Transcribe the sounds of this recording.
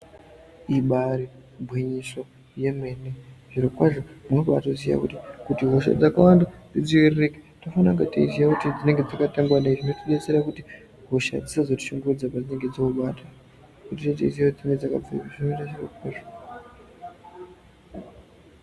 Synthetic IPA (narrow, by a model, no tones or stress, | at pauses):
iɓaɾi | bʱwiɲiso̞ | je̞meneʐ̥iɾokwaʐomunoɓatozija̰kutikutiɦoʃ̬a̰d͡zakawandad͡zid͡ziwererekḁtofanaŋɡatḭizijakutid͡zine̞ŋɡed͡zakataŋɡwanaiʐinotiɗet͡seɾakuti | ɦoʃa̰d͡zisazoti̥ʃuŋɡurud͡zapad͡zine̞ŋɡe̞d͡zokuɓaːta | kutit͡ʃet̬eiziaod͡zineŋɡed͡zaka̰b͡vḭʐinoitaʐiro̰kwaːʐo